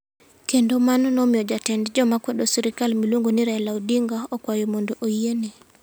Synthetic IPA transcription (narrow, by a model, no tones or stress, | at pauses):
kendomanɔnɔmjɔd͡ʒatɛndd͡ʒɔmakwedosiɾikalmilwoŋɡoniɾɛlaudiŋɡaɔkwajomondoʔoiene